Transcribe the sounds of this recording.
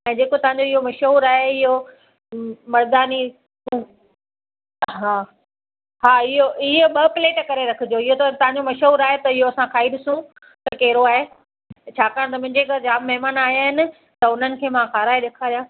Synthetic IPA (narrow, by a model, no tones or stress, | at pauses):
ɛ̃ːd͡ʑeːkot̪ɐʋ̤ãɲd͡ʑoɪɦomɐʃɦuːɾaːɦeɪɦo | mɐɾd̪aːnĩ | ɦaː | ɦaːɪɦoɪɦəɓɐpleːʈkɐɾeɾɐkʰɪd͡ʑoɪɦot̪ɐt̪ɐɦãɲd͡ʑomɐʃɦuːɾaːɦet̪ɐɪɦoɐsãkʰaːiɗɪsũ | t̪ɐkɛːɾoaːɦe | t͡ɕʰaːkaːɽ̃t̪̬ɐmʊ̃ɦɪ̃ɲd͡ʑekɐɾd͡ʑaːbmɐɦɪmaːnaːɦijaːɦɪnɪ̆ | t̪ɐʊn̤ənɪ̆kʰeːmãkaːɾaːeɗeːkʰaːɾijaː